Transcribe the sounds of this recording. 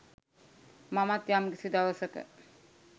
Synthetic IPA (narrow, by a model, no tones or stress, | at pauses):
mamat̪jamkisid̪aʋəsəkə̰